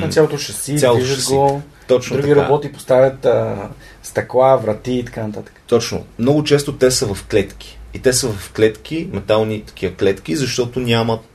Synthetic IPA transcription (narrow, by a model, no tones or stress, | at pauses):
nɐtsʲalˠot̪ot͡ʃɐsivalˠiʒəd̪sɡo | t̪ɔt͡ʃnd̪nt̪ɾuɡiɾɐa̰bɔt̪ipo̥st̪avʲət̪ə | st̪ɐklˠavɾɐt̪iːt̪ɐ̥kanɐt̪at̪ə̥kə̥t̪ɔt͡ʃno̰mnɔɡʊt͡ʃɛst̪ot̪ɛsəvɐfklɛt̪k̟i̥it̪ɛsəvɐfklɛt̪k̟imɛt̪alˠnit̪ɐ̥k̟ʰiəklɛt̪k̟izɐʃt̪ɔt̪onʲamət̪̚